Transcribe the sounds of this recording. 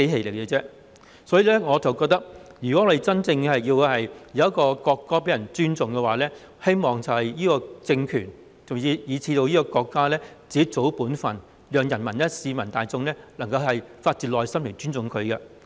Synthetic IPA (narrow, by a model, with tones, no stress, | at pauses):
e˨˥ɦe˨˩jlɪ˨˩kɛː˧t͡sɛː˥ | sɔː˨˥jiː˨˧lɛː˥ŋɔː˨˧t͡sɐ˨wkɔː˧k̚t̪ɐ˥k̚jyː˨˩kɔ˨˥ŋɔː˧de˨˩t͡sɐ˥nt͡sɪ˧ŋɛ˧hɐ˨jiː˧whɐ˨jjɐ˨˧wɐ˥kːɔː˧kɔː˧kːɔː˥p̬e˨˥jɐ˨˩nt͡ʃyː˥nt͡sʊ˨ŋkɛ˧waː˨˥lɛː˥ | he˥jmɔː˨˩ŋt͡sɐ˨whɐ˨jjiː˥kɔː˧t͡sɪ˧ŋkʰyː˨˩n | t͡sʊ˨iː˧jiː˨˧t͡sʰiː˧t̪o˧wjiː˥kɔː˧kɔː˧kːaː˥lɛː˥t͡siː˨˥t͡so˨˥wpuː˨˥nfɐ˨˩n | lœː˨˧ŋjɐ˨˩nmɐ˨˩nlɛ˥siː˨˧mɐ˨˩nt̪aː˨jt͡sʊ˧ŋlɛː˥lɐ˨˩ŋkɐ˧whɐ˨jfaː˧t̚t͡siː˨t̚lɔː˨˧jsɐ˥mle˨˩jt͡syː˥nt͡sʊ˨ŋkʰɵ˨˧kɛ˧